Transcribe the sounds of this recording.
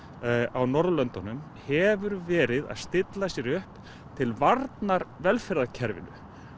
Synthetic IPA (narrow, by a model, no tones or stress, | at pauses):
awnɔɾðlœnt̪ɔnʏm | hɛvʏɾvɛːɾɪða̰ðst̪ɪt̪lasjɛɾʏhp | t̪ʰɪlvaɾt̪naɾvɛlfɪɾðacʰɛɾvɪ̰nʏ̰